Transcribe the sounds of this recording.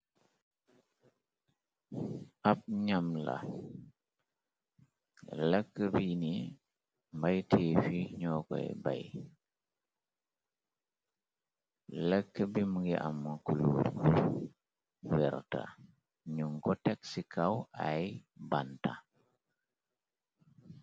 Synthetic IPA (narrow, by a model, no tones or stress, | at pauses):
ap̚ɲamla̰ | lakːəbini | mbajtʰeːfiɲɔkɔ̰jɛba̰j | lɐkːəbimuɡiʔamːukuluːɾku | wɛɾta̰ | ɲuŋɡɔtɛk̚sikʰawajbanta̰